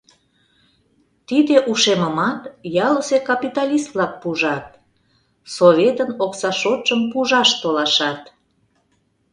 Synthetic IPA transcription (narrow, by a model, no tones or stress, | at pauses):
t̪id̪eʔuʃeməmɑt̪jɑləsekɑpit̪ɑlʲist̪lɑk̚puʒɑt̪̚ | soβʲet̪ənoksɑʃot̪ʒəmpuʒɑʃt̪olɑʃɑt̪